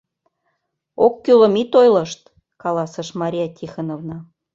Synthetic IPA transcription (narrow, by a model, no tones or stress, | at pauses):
okːylə̆mit̪ojlɤ̆ʃt̪ | kɑlɑsə̆ʃmɑɾʲijɑt̪ʲʰixɑnovnɑ